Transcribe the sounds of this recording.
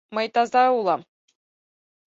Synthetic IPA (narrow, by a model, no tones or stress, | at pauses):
mɤ̆jt̪ɑzɑulˠɑm